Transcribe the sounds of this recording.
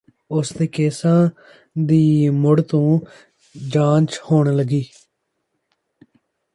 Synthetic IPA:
ʊsd̪eːkeːsãː | d̪iːmʊɽt̪õː | d͡ʒãːt͡ʃhoːɳləɡiː

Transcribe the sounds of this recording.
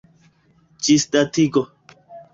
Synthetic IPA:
d͡ʒisd̪atiɡo

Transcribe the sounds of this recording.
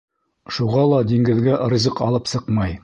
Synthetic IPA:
ʃuʁɑlˠɑd̪iŋɡɘ̆ðɡæʔ̆ɾĭzɤqɑlˠɤpsɤqmɑj

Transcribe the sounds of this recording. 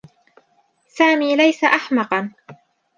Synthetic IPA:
saːmiːlajsaʔaħmɑqɑn

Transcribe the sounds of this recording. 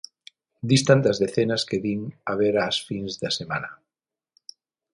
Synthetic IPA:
d̪ist̪ant̪azðeθenaskeðiŋaβ̞eɾaːsfinzðasema̰na

